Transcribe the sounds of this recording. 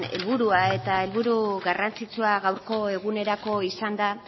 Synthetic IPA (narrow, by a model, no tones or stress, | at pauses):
ne̞̰lβuɾuae̞t̪ae̞lβuɾuɣarant͡sit͡suaɣawɾko̞e̞ɣ̞une̞ɾako̞isand̪a